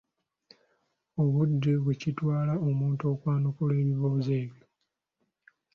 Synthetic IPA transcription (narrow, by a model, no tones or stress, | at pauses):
o̞βudːeβwecitwaːlao̞muːntoːkwaːnukule̞ːβiβoːze̞ːβjo̞